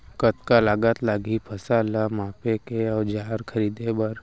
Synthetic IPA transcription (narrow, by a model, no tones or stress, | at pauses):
kət̪kalaːɡət̪laːɡipʰɐsaːlamaːpekeɔːɾd͡ʒaːɾkʰɐɾiːd̪ebɐɾ